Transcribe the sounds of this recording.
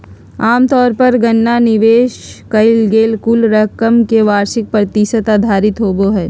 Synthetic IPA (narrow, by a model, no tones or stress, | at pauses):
aːmt̪ɔːɾpɐɾɡɐnːanɪʋeːʃkɐɪlɡeːlkʊlɾəɦkəmkeʋaːɾʃɪk̚pɾət̪iʃət̪aːd̪ʱaːɾɪt̪ɦoːboɦɛː